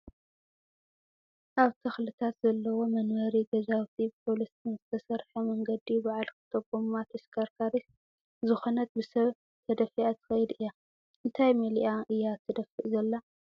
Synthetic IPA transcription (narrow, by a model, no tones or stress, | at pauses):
ʔaβt̪ʰɐxlɨt̪ʰat̪zɐlːɐwo̞mɐnwɐɾiɡɐzawt̪ʰipʰo̞list̪ɨnzɨt̪ʰɐsɐɾħɐmɐŋɡɐd̪ibaʕalkʰɨ̥t̪ʰoβɡommat̪ʰɐskʰaɾkʰaɾis | zɨxo̞nɐt̪̚bɨsɐβ | t̪ʰɐd̪ɐfiʔat̪ʰɨ̥xɐjd̪ʔɨjːa | ʔɨnt̪ʰajmɐliʔaʔɨjːat̪ʰːɨd̪ɐfɨʔzɐlːa